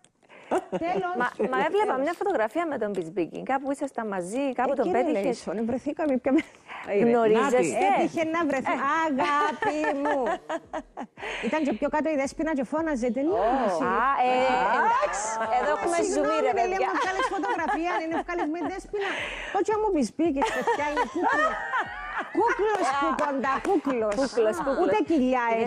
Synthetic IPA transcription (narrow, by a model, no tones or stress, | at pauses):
t̪elosmɐmɐevlepɐmɲɐfot̪oɣɾɐfiɐmet̪o̞mbizbicḭŋɡɐpuisɐst̪ɐmːɐzikɐut̪opeiesonevɾeθikɐmipçome | ɣnoɾizest̪et̪içenːɐvɾeθiɐɣɐpimu | it̪ɐɲt͡ʃepçokɐt̪oiðespinɐt͡ʃefonɐzet̪̬enosi | dkseðoeumeumiemeliɐmmuefkɐlisfot̪oɣɾɐfiɐninefkɐlizmenðespinɐ | t̪ot͡ʃiɐmːupizbikispefjɐinekuklo | kuklospukond̪ɐkuklosklueciʎːɐes